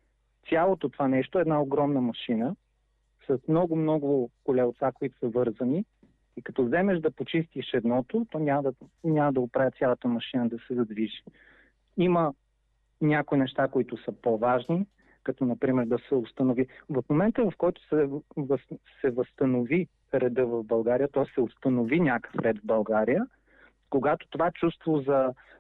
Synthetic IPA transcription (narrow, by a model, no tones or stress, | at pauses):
t̪sʲjalˠot̪ot̪ovanɛʃt̪oɛːd̪naoɡɾɔmnəmɐʃinə | sɐsmnɔɡʊmnɔɡʊkʊlɛʊt̪sakoit̪ʊ̥sɐvɤɾzəni | ikɐt̪ɔvzɛmɛʒd̪ɐpot͡ʃist̪iʃɛd̪nɔt̪ot̪ɔnʲamd̪nʲamɐd̪ɐɡtpɾavʲət̪sʲjalˠət̪əmɐʃinəd̪ɐsɛzɐd̪viʒi̥ | imə | nʲakoinɛʃt̪akoit̪ʊsəpovaʒni | kɐt̪ɔnɐpɾimɛɾd̪ɐsɛʊst̪ɐnovivɐfmomɛnt̪əvɐfkɔjt̪ʊ̥sɛvsɛvəst̪ɐnovi | ɾɛd̪ɤvɐvbɐlˠɡaɾijət̪ɔjsɛʊst̪ɐnovinʲakə̥fɾɛd̪vbɐlˠɡaɾijə | koɡat̪o̥t̪ovaɛt͡ʃust̪vozɐ